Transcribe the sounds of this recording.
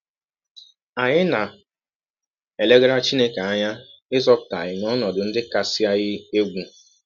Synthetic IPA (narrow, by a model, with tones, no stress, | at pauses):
a˨ɲɪ˦na˨ | e˨le˦ɡe˦ɾa˦t͡ʃi˦ne˦ke˨a˦ɲa˦ɪ˦zɔ˦pta̰˨ɲɪ˨nɔ˦nɔ˨dʊ˨n̩˦dɪ˦ka˨si˦a˦ɣɪ˦e˦ɡʷu˦